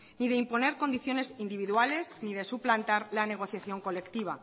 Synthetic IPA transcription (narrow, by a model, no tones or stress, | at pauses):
niðe̞impo̞ne̞ɾko̞nd̪iθjo̞ne̞sind̪iβiðwale̞szniðe̞suplant̪aɾlane̞ɣ̞o̞θjaθjo̞ŋko̞le̞kt̪iβ̞a